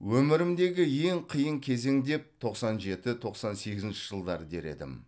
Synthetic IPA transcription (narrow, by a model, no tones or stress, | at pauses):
wɵmɪɾɪmd̪e̞ɡʲɪje̞ŋqʰijəŋkʲʰe̞ze̞ŋd̪e̞p̚t̪ʰo̞qsɑnʒe̞t̪ɪt̪ʰo̞qsɑnse̞ɡʲɪzɪnʃɪʒ̥əlˠd̪ɑɾəd̪e̞ɾe̞̰d̪ɪ̰m